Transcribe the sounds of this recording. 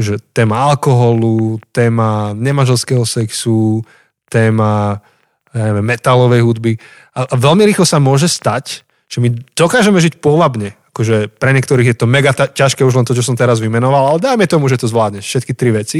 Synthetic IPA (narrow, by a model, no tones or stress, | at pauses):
ʒɛt̪ɛːmaalkɔɦɔlut̪ɛːmaɲɛmanʒɛlskɛːɦɔsɛksu | t̪ɛːma | jaɲɛʋɛmːɛt̪alɔʋɛjɦud̪bi | aʔaʋɛlmiɾiːxlɔsamʊɔʒɛst̪ac | ʒ̥ɛmid̪̥ɔkaːʒɛmɛʒicpʊɔʋabɲɛakɔʒɛpɾɛɲɛkt̪ɔɾiːɣjɛt̪ɔmɛɡat̪acaʃkɛːuʒlɛnt̪ɔt͡ʃɔs̬ɔmt̪ɛɾazʋimɛnɔʋalalɛd̪ajmɛt̪ɔmuʒɛt̪ɔzʋlaːd̪ɲɛfʃɛt̪̚kit̪ɾiʋɛt͡si